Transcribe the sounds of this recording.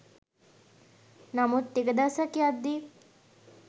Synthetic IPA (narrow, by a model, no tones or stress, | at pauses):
namut̪ːiɡəd̪asakjad̪ːi